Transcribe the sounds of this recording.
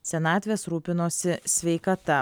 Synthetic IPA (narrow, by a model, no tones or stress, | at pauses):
sʲɛnɑːt̪ʲʋʲeːsɾuːpʲɪnoːsʲɪsʲʋʲɛɪkɐt̪ɐ